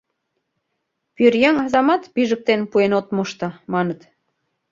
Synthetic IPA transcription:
pyrjəŋɑzɑmɑt̪piʒə̆k̚t̪enpuenot̪moʃt̪ɤ̆mɑnət̪

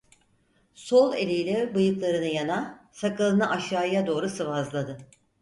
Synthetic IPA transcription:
solˠḛlʲijlʲɛbɯjɯklˠaɾɯnɯjanasakʰɯlˠɯnɯʔaʃaːjad̪o̞ːɾusɯvazlˠad̪ɯ

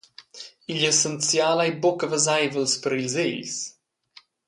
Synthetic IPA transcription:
iʎɛsənt͡sjalajbɔkəvəzajvəlˠspəɾiʎzeʎs

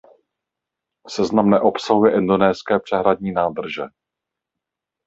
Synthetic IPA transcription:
sɛznamnɛʔo̞psaɦujɛʔɪndo̞nɛːskɛːpr̝̥ɛɦɾadɲiːnaːd̪r̩ʒɛ

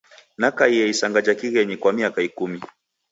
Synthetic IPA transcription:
nakaiɛisaŋɡad͡ʒakiɣɛɲikwamiakaikumi

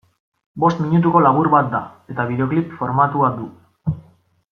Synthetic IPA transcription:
bo̞st̪miɲut̪̬uko̞laβ̞uɾβat̪̚d̪ae̞t̪aβiðe̞o̞klipfo̞ɾmat̪uad̪u

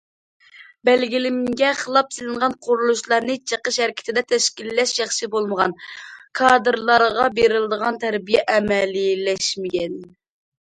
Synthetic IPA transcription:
bɛlɡʲilɪmɡʲɛχəlˠɑpsɪlɪnʁɑnqʰʊɾulˠuʃlˠɑɾnɨt͡ʃʰəqəʃhɛɾkʲi̥t̪ʰɪd̪ɛt̪ʰɛʃkʲilːɛʃjɑχʃɨbolˠməʁɑnkʰɑd̪ɨɾlˠɑɾʁɑbeɾɪld̪əʁɑnt̪ʰæɾbijɛʔɛmɛlilɛʃmɪɡʲɛn

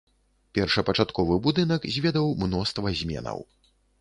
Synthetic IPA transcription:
pʲɛrʂɨpɐt͡ʂat̪kɔvɨbud̪ɨnɐkzʲvʲɛd̪ɐwmnɔst̪vɐzʲmʲɛ̰nɐ̰w

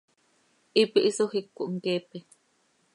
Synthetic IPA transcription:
ʔipiʔisohikːuʔŋkeːpe

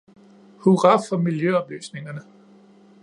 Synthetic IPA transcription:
huʁɑ̈fɒ̽miljøɒ̽b̥ly̰ːsne̝ŋɐnə

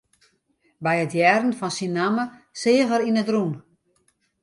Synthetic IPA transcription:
bɛjətjɛrn̩fɔnsinːaməsɪːəɣəɾinətrun

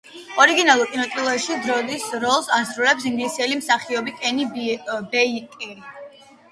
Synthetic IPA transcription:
ɔɾiɡinalˠuɾkʼinɔt̪ʼilˠɔɛʃid̪ɾɔd̪isɾɔlˠsasɾulɛpsiŋɡlisiɛlimsaχiɔbikʼɛnibbɛkʼii

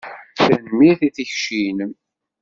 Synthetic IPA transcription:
θænmːiθiθiçʃin

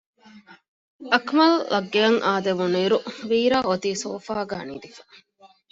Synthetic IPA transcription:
ɐkmɐlːɐɡːeɐŋʔaːd̪eʋuniɾuʋiːɾaːot̪iːsoːfaːɡæːniːd̪ifɐ̥

